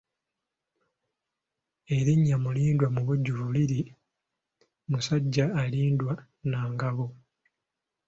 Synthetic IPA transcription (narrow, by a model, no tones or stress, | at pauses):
e̞ɾiɲːamuliːndwamuβuɟːuβuliɾi | musaɟːaːliːndwa | naːŋɡaβo